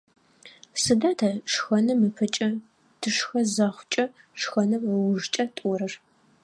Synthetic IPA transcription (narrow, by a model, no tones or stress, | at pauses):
sɨdaːtʰɐʂxɐnɨmɨpʰɐt͡ʃʼɐ | tʰɨʂxɐzaːχʷʊt͡ʃʼɐ | ʂxɐnɨmwʊʒt͡ʃʼɐtʼɔɾɐr